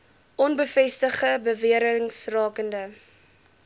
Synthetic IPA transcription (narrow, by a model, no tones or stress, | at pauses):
ʔɔnbəfɛstəχəbəviəɾəŋsrɑːkəndə